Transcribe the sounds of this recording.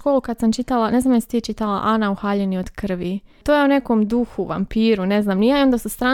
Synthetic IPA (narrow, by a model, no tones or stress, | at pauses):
ko̞ːlukad̪samt͡ʃit̪alˠane̞znamjasit̪it͡ʃit̪ala̰ʔanauxaːʎenio̞d̪̥kr̩ʋit̪oje̞unekomd̪uxuʋa̰mpiːɾune̞znaːmnijaːio̞nd̪asust̪ɾaː